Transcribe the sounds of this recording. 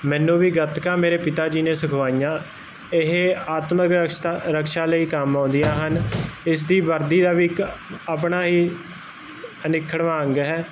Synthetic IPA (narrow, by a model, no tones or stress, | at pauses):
mɛ̃ːnːũːʋiːɡət̪kãːmeːɾeːpɪt̪aːd͡ʒiːneːsʊkʰʋaːijãː | ɪɦeaːt̪məkɾəkʃaːləiːkəmãːnd̪ijãːɦənɪs̬d̪iːbəɾd̪iːd̪aːʋiːaːpɳaːɦiː | ənɪkʰːəɽʋaːŋɡɦɛː